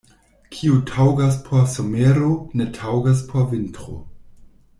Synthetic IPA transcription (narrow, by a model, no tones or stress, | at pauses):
kʰiutʰawɡas̬pʰosomeɾone̞tʰawɡas̬pʰovintɾo̰